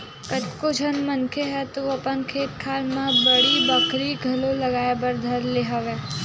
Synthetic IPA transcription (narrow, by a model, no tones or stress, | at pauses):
kɐt͡ʃkod͡ʒʱɐnmə̃nkʰeɦɛt̪oɐpənkʰeːt̪̚kʰaːlmãbɐɽibəkɾiɡʱɐlolɐɡaːjebɐɾd̪ʱɐɾleɦaʋeː